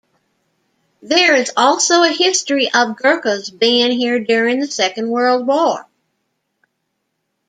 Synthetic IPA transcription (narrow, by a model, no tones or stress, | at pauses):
ðə˞ɪzɔlˠsoʊɨhɪstɹ̥iʔʌvɡɜ˞kozbæ̃nɦiɹdʊɹɪ̃ŋðɨsɛkɨ̃n̩d̚wɜ˞lˠd̚wɔɹ